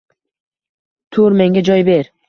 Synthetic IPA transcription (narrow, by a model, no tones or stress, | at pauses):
t̪ʰuɾmeŋɡʲad͡ʒɒjbeɾ